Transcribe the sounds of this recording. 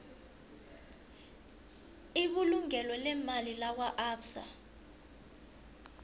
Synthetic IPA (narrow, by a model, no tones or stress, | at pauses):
iɓuluŋɛlɔlɛmalilaw̬waʔaːpsa̰